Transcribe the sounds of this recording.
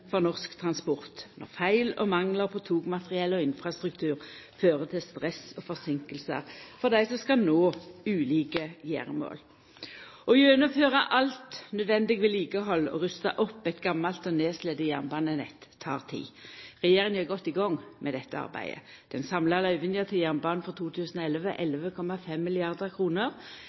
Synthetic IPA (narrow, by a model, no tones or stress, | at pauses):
fɔʁnɔʁskt̪ʰʁɑnspɔʁt̪nɔ̰ʁfæɪlɔ̰mɑŋləʁpʰɔt̪ʰuːɡmɑt̪ʁɪɛlːɔɪnfʁɑst̪ʁʉk̚t̪ʰʉːʁføːʁət̪ʰɪlst̪ʁɛsɔfɔʁsɪŋkəlsə̰ʁfɔd̪æɪsɔskɑnoːʉːliːkəjḛːʁəmo̰ːl | ʔɔjøːnəføːʁɑʔɑlt̪nœd̪ʋɛnd̪ɪɡʋɛliːɡəɦɔlːɔ̰ʁʉst̪ɑ̰ʔɔpːæɪt̪ɡɑmːɑlt̪ɔneːslɛd̪əjæʁnbɑːnənɛt̪ʰːɑ̰ːʁt̪ʰḭːʁɛjeːʁɪŋjøːɡɔt̪ːɪɡɔŋmʔɛd̪ɛt̪ːəɑ̰ʁbæ̰ɪd̪ə̰ | d̪̥ɛnsɑmlɑlœʏʋɪnjəʁt̪ʰɪljæʁnbɑːnnfɔʁt̪ʰuːt̪ʰʉːsn̩ɔɛlʋəʔɛlʋəkʰɔmɑfɛmːɪlɪɑʁd̪əʁkʰʁuːnəʁ